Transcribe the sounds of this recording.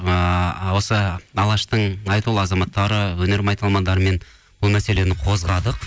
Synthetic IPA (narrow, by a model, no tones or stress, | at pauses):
əwo̞səɑlˠɑʃt̪əɴɑjt̪ulˠɑzɑmɑt̪ːɑɾəwɵne̞ɾmɑjt̪ɑlˠmɑnd̪ɑɾəme̞n | b̥ʊlˠmæse̞le̞nɪqʰo̞zʁɑd̪əq̚